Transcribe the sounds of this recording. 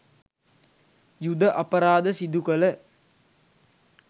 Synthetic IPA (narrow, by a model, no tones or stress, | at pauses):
jud̪əʔɐpɐɾaːd̪əsid̪ukələ